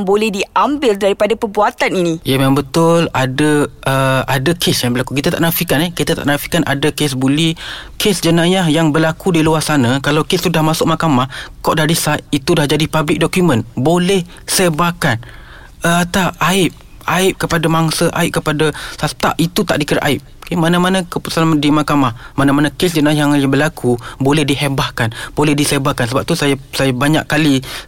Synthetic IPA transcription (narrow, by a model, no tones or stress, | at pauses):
ŋbolɛhdiambɪldaɾipadapərbuat̪aninĩjamamabət̪ʊladaʔəadakʰesjaŋbəɾlakuk̬it̪at̪aʔnafihkanehkit̪at̪a̰ʔnafi̥kana̰dakes̬bulikʰesd͡ʒənajaɦjaŋbərlakudiluarsanakalawkessudahmasʊk̚makamahkɔʔdadisat̪̚it̪udahd͡ʒadipablɪk̚dɔkjumə̃nbolɛh | sebakan | ət̪aaɪp̚ | aɪp̚kəpadamaŋsəʔa̰ɪp̚kəpadasast̪a̰ʔit̪ut̪aʔdikəɾaʔaɪp̚kemanamanakəpəsamdimakamahmanamanakes̬d͡ʒənajaaŋjabərlakʰubolɛhdiɦebahkanbolɛhdisebakansəbap̚t̪usajsajabaɲa̰ʔkali